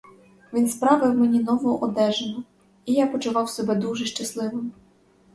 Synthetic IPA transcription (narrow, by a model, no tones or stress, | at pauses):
ʋʲinspɾɑʋɪwmɛnʲinɔʋɔʔɔd̪ɛʒenɔ | ijapɔt͡ʃʊʋɑwsɔbɛd̪uʒɛʃt͡ʃɐslˠɪʋɪm